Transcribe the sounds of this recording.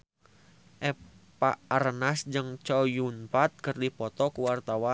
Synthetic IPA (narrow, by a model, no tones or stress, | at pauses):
ʔɛpaʔaɾənasd͡ʒɨŋt͡ʃajunpat̪̚kərdipɔt̪ɔkuwart̪awa